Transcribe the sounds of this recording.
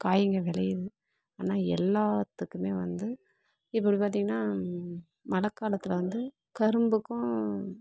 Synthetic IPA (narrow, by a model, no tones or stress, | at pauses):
kaːjɪŋɡɐʋɛlɐjðɯ | aːnaːɛ̰lːaːt̪ːɯkːɯmeːʋɐ̰nd̪ɯ | ɪpːɐɽipaːɾt̪iːŋɡɐnːaː | mɐlɐkːaːlɐt̪ːɪlɐʋɐnd̪ɯ | kɐɾɯmbɯkːʊ̃